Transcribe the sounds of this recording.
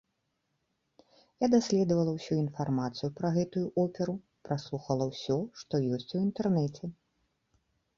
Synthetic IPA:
jad̪asʲlʲɛd̪ɐvɐlˠɐwsʲuin̪farmat̪sɨjupɾɐɣɛt̪ujuʔɔpʲɛɾu | pɾaslˠuxɐlˠɐwsʲɔʂt̪ɔjɔsʲt͡sʲuint̪ɛrnɛt͡sʲɛ

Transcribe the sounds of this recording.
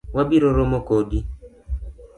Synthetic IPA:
wabiɾoɾomokodi

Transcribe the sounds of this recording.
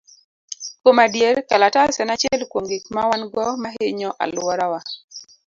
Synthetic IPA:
komadjeɾkalatasɛnat͡ʃɛlkwoŋɡɪkmawanɡɔmaɦeɲɔʔa̰lwɔɾawa

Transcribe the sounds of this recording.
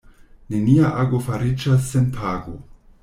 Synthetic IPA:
ne̞niaʔaɡo̞faɾid͡ʒasːe̞npʰaɡo̞̰

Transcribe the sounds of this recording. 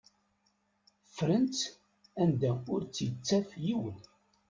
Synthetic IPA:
fɾənt͡s | ænd̪æʊɾt͡sːjət͡sːæfjiwən

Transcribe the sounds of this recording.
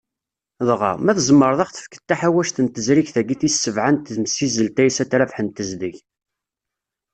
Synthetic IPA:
ðˤʁɑ̰mæθəzmːəɾˤðˤɑχθə̥fkə̥t̪ːaħæwæʃθənt̪əzɾiçθæɡiθissːəvʕant̪ðmsizəlt̪æjsæt̪ɾæfħənt̪əzd̪iç

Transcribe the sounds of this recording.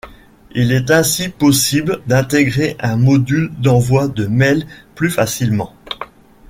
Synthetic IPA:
ilɛt̪ɛ̃sipɔsibld̪ɛ̃t̪eɡʁeʔɛ̃mɔd̪yld̪ɑ̃vwad̪əmɛlplyfasilmɑ̃

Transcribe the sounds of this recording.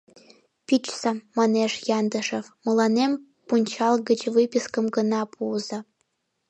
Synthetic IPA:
pʲit͡ɕsɑmːɑneʂjɑnd̪ə̆ʂə̆vmɤlˠɑnem | punʲt͡ɕɑlˠɡə̆t͡ɕvɨpʲiskə̆mɡɤ̆nɑpʰuzɤ̆

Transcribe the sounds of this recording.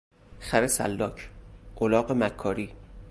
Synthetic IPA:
xæɾesæ̰lːɒːcʰʔolɒːɢemækʰːɒːɾiː

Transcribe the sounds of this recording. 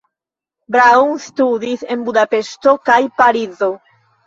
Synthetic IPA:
bɾaunstudise̞nbudape̞ʃto̞kajpaɾizo̞

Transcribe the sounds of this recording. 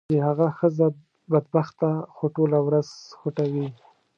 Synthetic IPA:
ehaɣaxəza | bad̪baxt̪axoʈolawɾazxʊʈawi

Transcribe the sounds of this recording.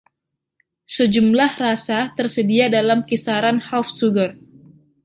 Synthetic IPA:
səd͡ʒumlahrasat̪ərsədiadalamkisaɾanhafsuɡər

